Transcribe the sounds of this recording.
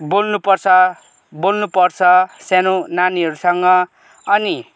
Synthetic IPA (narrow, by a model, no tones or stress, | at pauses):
bolnupʌrt͡sʰʌ | bolnupʌrt͡sʰʌsenonaniɦʌɾusʌŋɡʌː | ni